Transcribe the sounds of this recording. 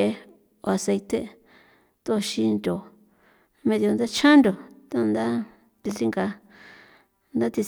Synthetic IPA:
e˧ | o˧a˨˧se˧jt̪e˧ | t̪o˦˧ʃi˧nd̪o˨ | mẽ˧ðjo˧nd̪a˦t͡ʃʰã˦nd̪o˨t̪o˦˧nd̪a˦ | t̪i˧li˦ŋɡa˧ | nd̪a˦t̪i˧

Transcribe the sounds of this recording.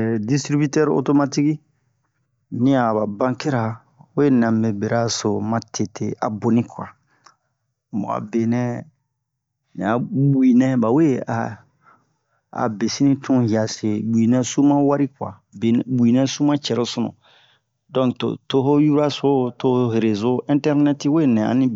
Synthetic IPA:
di˦stɾi˦bi˦tɛ˦ɾo̰˦to˦ma˦ti˦ki˦ | nĩ˦a˨ba˨bã˦ke˦ɾa˨ | we˦nã˨me˨be˨ɾa˦so˨mã˦tʰe˨tʰe˨a˨bo˨nĩ˦kwa̰˨ | mo̰˨a̰˨be˨nɛ̃˦ | nḭ̃˨a˨bu˦i˨nɛ̃˦ba˨we˦a˨ | a̰˨be˨si˦nĩ˦tũ˦hi˨a˨se˨bu˨i˨nɛ̃˦su˦mã˦wa˦ɾi˦kwa̰˨ | bbu˨i˨nɛ̃˦su˦mã˦t͡ʃɛ˨ɾo˦so˨nṵ̃˨ | dɔ̃˦kto̰˨to˦ɦo˦ju˦ɾa˦so˦to˨ho˦ɦe˨ɾe˨zo˦ĩ˦ntɛ˦ɾnɛ˦ti˦we˦nɛ̃˨a̰˨nĩ˦

